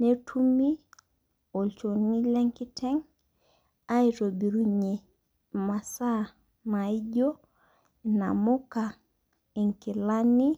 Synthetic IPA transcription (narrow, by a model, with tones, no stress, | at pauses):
netʰumi˦ | o˨lt͡ʃoni˦lɛ˦ŋki˦tʰɛŋ | a˦iɾo˨bi˨ɾuɲi | ma˨sa˦ | mai˦ɟo | na̰mu˦ka | i˨ŋki˨lani